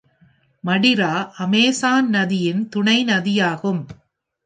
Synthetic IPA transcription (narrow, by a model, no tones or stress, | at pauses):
mɐɽɪɾaːʔɐmeːsaːnnɐðɪjɪnt̪ʊɳɐɪnɐðɪjaːɣɯm